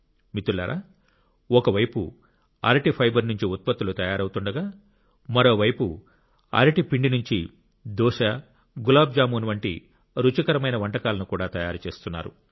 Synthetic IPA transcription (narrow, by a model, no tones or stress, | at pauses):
mit̪ːulːɐːɾʔa̰ː | ɔkɐʋɐjpṵ | a̰ːɾʈipʰɐjbɐɾnuɲt͡ʃiut̪̚pɐt̪ːulut̪ɐjaːɾɐwt̪uɳɖɐɡaː | mɐɾo̞ːʋɐjpu | a̰ɾɐʈipiɳɖinuɲt͡ʃi | d̪ɔːʂɐ | ɡulaːb̚d͡ʒaːmunuʋɐɳʈḭ | ɾut͡ʃɐkɐɾɐmɐjnɐʋɐɳʈɐkaːlɐnukuːɽaːt̪ɐjaːɾut͡ʃe̞ːst̪unːa̰ːɾu